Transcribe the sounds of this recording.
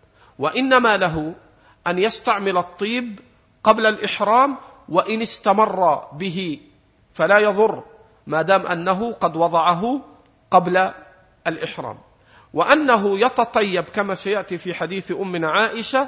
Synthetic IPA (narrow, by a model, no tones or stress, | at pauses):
waʔɪnːamaːlaɦʊ | ʔanjast̪aʕmɪlɑt̪ˤːiːb | qɑblalʔɪħɾaːm | waʔɪnɪst̪amɑrˤːɑbɪɦɪ | falaːjɑðˤʊrˤː | maːd̪aːmʔa̰nːaɦʊqɑd̪wɑd̪ˤɑʕɑɦʊ | qɑbla | ʔalʔɪħɾˤa̰ːm | wɪʔanːaɦʊjɑt̪ɑt̪ˤɑjːabkamaːsajaʔt̪iːfiːħad̪iːθʔʊmːɪnʕaːʔɪʃa